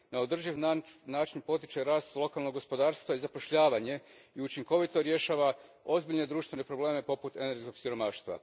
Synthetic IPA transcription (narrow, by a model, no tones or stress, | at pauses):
naod̪r̩ʒiʋnaːt͡ʃinpo̞t̪it͡ʃe̞ɾaːst̪lˠo̞kalnoɡo̞spo̞d̪aːɾst̪ʋaizapo̞ʃʎaːʋaɲe̞ | iut͡ʃiŋko̞ʋit̪o̞ɾje̞ʃaːʋao̞zbiʎne̞d̪ɾuːʃt̪ʋe̞ne̞pɾo̞ble̞ːme̞po̞put̪eneɾɡsko̞ɡsiɾo̞maːʃt̪ʋa̰